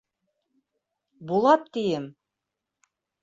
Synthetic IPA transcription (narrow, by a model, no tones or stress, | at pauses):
bulˠɑp̚t̪ijɘm